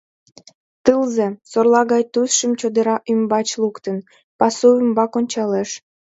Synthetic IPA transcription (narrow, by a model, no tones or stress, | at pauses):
t̪ɨlzesorlɑɣɑjt̪usʃəmt͡ɕod̪əɾɑʔymbɑt͡ɕlukt̪ən | pɑsuymbɑkonʲt͡ɕɑleʃ